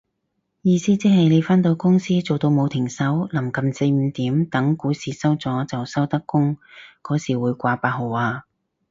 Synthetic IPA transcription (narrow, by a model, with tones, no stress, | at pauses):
jiː˧siː˥t͡siː˥ɦɐ˨jne˨˧jfaː˥nt̪o˧wkʊ˥ŋsiː˥t͡so˨wt̪o˧wmo˨˧wt̪ʰɪ˨˩ŋsɐ˨˥wlɐ˨˩mkɐ˨mse˧jm̩˨˧t̪iː˨˥mt̪ɐ˨˥ŋkuː˨˥siː˨sɐ˥wt͡sɔː˨˥t͡sɐ˨wsɐ˥wt̪ɐ˥kːʊ˥ŋkɔː˨˥siː˨˩wuː˨˧jkʷaː˧paː˧t̚ɦo˨˩waː˧